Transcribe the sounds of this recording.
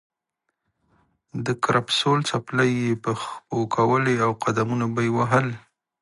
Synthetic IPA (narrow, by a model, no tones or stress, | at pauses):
d̪əkɾapsolt͡sapləjːepəxpokʰawəleawqad̪amunabajwaɦəl